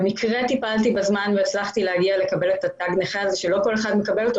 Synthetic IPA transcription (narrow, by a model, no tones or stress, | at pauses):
mikʁet̪ipaltibazmanveːt͡slaχt̪ilehaɡiale̞kabe̞let̪ataɡneχeazeʃe̞lo̞ko̞leχad̪mekabelot̪o